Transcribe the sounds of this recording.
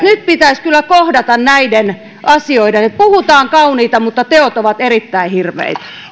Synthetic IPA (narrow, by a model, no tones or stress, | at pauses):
nyt̪̚pit̪æiskylːækohdɑt̪ɑnnæiden | ʔɑsioidenet̪̚puhut̪ɑːŋkɑuniːt̪ɑmut̪ːɑt̪eot̪oʋɑt̪erit̪ːæihirʋḛit̪æ̥